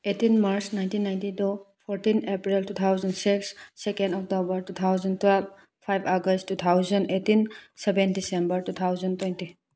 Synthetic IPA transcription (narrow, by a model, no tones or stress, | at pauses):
etinmaɾsnajntinːajntidɔpʰɔɾtinepɾiltut̪ʰawzəndsiksːekẽndɔk̚tobəɾtut̪ʰawzəntwɛlb | pʰajbaɡəstːut̪ʰawzəndetinsɛbentdisembəɾtut̪ʰawzəntwenti